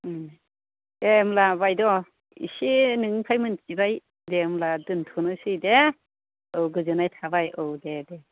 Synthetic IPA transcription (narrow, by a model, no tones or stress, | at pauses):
emlabajdɔ | ḭsinɯŋpʰajmɯnt͡ʃibaj | demladɯntʰunɯsɯjde | ɯwɡɯzɯnajtʰabajɯwdede